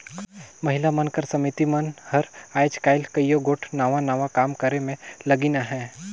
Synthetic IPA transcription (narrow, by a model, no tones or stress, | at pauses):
mɐɦɪlamənkɐɾsɐmit̪imənhɐɾaːjd͡ʒkaːɪlkɐjoɡoːʈʰnaːʋanaːʋakaːmkəɾemẽlɐɡinaɦɛː